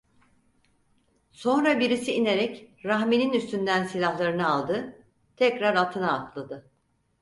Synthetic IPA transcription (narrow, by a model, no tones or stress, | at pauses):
so̞nɾabiɾisiine̞ɾɛcɾaɦmininyst̪ʰynd̪ænsilʲahlˠaɾɯnɯalˠd̪ɯ | t̪ʰɛcɾaɾat̪ʰɯnaːk̪ʰlˠad̪ɯ